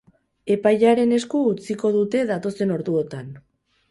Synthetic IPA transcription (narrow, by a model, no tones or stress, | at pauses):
e̞pajʎaɾe̞ne̞skuːt͡siko̞ðut̪e̞ðat̪o̞se̞no̞ɾðuot̪an